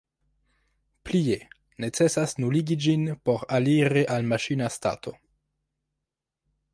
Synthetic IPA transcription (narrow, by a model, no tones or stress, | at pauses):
plie | ne̞t͡se̞sasnuliɡid͡ʒinpo̞ɾaliɾeʔalmaʃinasta̰tʰo̞̰